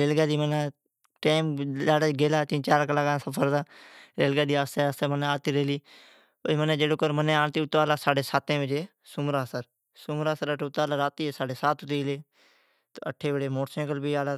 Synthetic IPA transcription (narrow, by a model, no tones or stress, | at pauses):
ɾeːlɡaːd̪iːmənaː | ʈeːmaːɽaːɡeːlaːt͡ʃĩːt͡ʃaːɾkəlaːɡãːsəpʰəɾd̪aːɾeːlɡaːd̪iːaːst̪eːəst̪eːməneːaːt̪iːɾeːliː | pəmənẽːd͡ʒeːɽoːkəɾmənẽːaːɳt̪iːʊt̪ːaːlaːsaːɖeːsaːt̪ẽːʋəd͡ʒeː | sʊmɾaːsəɾ | sʊmɾaːsəɾəʈʰːʊt̪ːaːlaːɾaːt̪iːeːsaːɖeːsaːt̪ʊt̪iːleː | t̪oəʈʰːeːʋəɽeːmoːʈsẽːkəlbiːaːlaː